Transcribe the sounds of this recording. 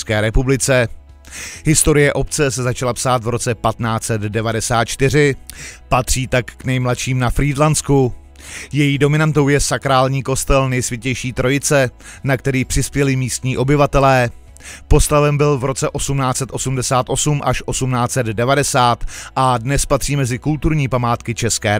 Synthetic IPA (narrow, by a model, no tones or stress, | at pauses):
skɛːɾɛpublɪt͡sɛ | ɦɪst̪o̞ɾɪjɛʔo̞p̚t͡sɛs̬ɛzat͡ʃalapsaːt̪vɾo̞t͡sɛpat̪naːt͡sɛd̪dɛvadɛsaːt̪̚t͡ʃt̪ɪr̝ɪpat̪r̝̥iːt̪akːnɛjmlat̪ʃiːmnafɾiːdlant͡sku | jɛjiːdo̞mɪnant̪o̞wjɛsakɾaːlɲiːko̞st̪ɛlnɛjsvʲjɪɛcɛjʃiːt̪ɾo̞jɪt͡sɛnakt̪ɛɾiːpr̝̥ɪspjɛlɪmiːst̪ɲiːʔo̞bɪvat̪ɛlɛː | po̞st̪avɛmbɪlvɾo̞t͡sɛʔo̞sumnaːt͡sɛt̪ʔo̞sumdɛsaːt̪ʔo̞sumʔaʃʔo̞sumnaːt͡sɛd̪dɛvadɛsaːt̪ʔadnɛspat̪r̝̥iːmɛzɪkult̪uɾɲiːpamaːt̪kɪt͡ʃɛskɛː